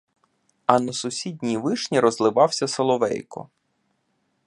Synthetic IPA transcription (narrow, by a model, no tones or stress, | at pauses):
ɐnɐsʊsʲidʲnʲijʋɪʃnʲiɾɔzlˠɪʋɑwsʲɐsɐlˠɔʋɛ̰jkɔ̰